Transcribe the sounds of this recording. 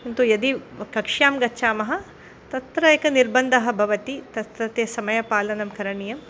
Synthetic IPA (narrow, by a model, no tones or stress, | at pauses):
int̪ujɐd̪ikɐkʂjaːmɡɐtːʃaːmɐɦɐ̆ | t̪ɐt̪ɾɐjɐkɐniɾbɐnd̪ʱɐɦɐ̆bʱɐʋɐt̪it̪ɐt̪ɾɐt̪jɐsɐmɐjɐpaːlɐnɐmkɐɾɐɳijɐm